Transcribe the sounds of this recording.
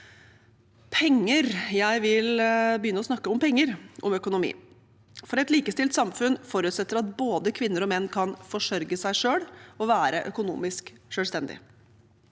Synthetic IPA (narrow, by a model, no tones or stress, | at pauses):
pʰɛŋːəɾjæɪʋɪlbəjʏnːəɔsnɑkːəɔmpɛŋːəɾʔɔmœkʊnʊmḭː | fɔɾɛt̪liːkəst̪ɪlt̪sɑmfʉnfɔɾʉt̪sɛt̪ːəɾɑt̪̚boːd̪əkʰʋɪnːəɾɔmɛnːkʰɑnfɔʂœɾɡəsæɪʂøːɽɔʋæːɾəʔœkʊnṵːmɪskʂøːlst̪ɛnd̪ɪ̰